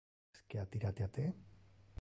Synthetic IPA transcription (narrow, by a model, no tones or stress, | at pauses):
skeat̪iɾat̪eat̪e